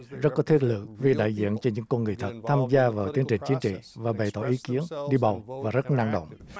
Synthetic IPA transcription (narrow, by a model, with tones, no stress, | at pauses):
zə˦˥t̚kɔ˨˦t̪ʰi˦˥t̚lɨ̰˧˨ək̚vi˧˩ɗa̰ː˧˨jzḭ˧˨ənt͡ɕɔ˧nɲɨ̰˧˥ŋkɔ˧nŋɨ˨˩əjt̪ʰə˨˩t̚t̪ʰaː˧mzaː˧vaː˨˩wt̪i˨˦əŋt͡ɕï˨˩ŋ̟t͡ɕi˨˦ənt͡ɕḭ˧˨vaː˨˩ɓə˨˩jt̪ɔ̰˧˩ʔi˨˦ki˨˦ənɗi˧ɓa˨˩wvaː˨˩zə˦˥t̚na˧ŋɗo̰˧˨wŋ͡m